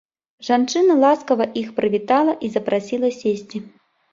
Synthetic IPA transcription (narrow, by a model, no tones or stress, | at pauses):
ʐant͡ʂɨnɐlˠaskɐvɐʔixpɾɨvʲit̪alˠɐʔizɐpɾasʲilˠɐsʲesʲt͡sʲi